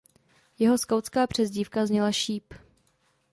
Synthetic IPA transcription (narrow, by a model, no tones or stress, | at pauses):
jɛɦo̞skawtt͡skaːpr̝̥ɛzɟiːfkazɲɛlaʃiːp